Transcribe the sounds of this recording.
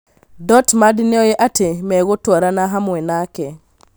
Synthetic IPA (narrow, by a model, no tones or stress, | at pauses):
dɔtmadineɔjeʔatʰemɛɣotwaɾanaɦamwɛnakɛ